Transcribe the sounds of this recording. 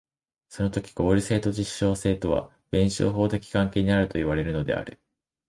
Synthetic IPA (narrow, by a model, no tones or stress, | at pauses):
so̞no̞t̪o̞kʲi̥ɡ̥o̞ːɾʲise̞ːt̪o̞ʑiɕːo̞ːse̞ːt̪o̞β̞a̰ | b̥ẽ̞ɰ̃ɕo̰ːɦo̞ːt̪e̞kʲi̥kãŋke̞ːɲ̟inaɾɯ̟t̪o̞iβ̞aɾe̞ɾɯ̟no̞d̪e̞̰a̰ɾɯ̟